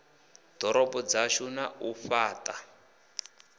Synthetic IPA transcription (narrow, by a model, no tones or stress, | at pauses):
d̥ɔɾɔbɔd͡zaʃunaufaːtʼa